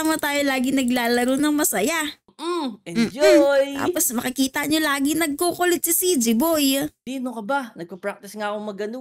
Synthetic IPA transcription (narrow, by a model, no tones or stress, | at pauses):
mɐt̪aːjolaːɡɪnɐɡlaːlɐɾonɐŋmɐsɐja | ɛmːd͡ʒoj̪a̰ːtposmɐkɪkiːt̪ɐɲolaːɡɪnɐɡ̚kokolɪt̪̚sisid͡ʒɪbojd̪iːnokɐbanɐɡ̚pɐpɹak̚t̪ɪsŋaːkoŋmɐɡɐno